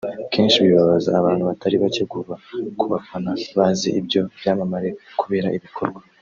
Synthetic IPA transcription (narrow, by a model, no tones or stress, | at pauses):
kʰe̞ːnʃiβiβaβaza̰ːβaːn̥huβataɾiβaceɡuβakuβafanaβaːzḭʔibjo̞bjaːmamaɾe̞kuβeɾaiβikʰo̞ɾɡwa